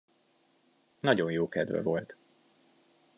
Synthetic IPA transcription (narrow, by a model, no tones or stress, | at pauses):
nɒɟo̞njoːkɛd̪vɛ̰vo̞lt̪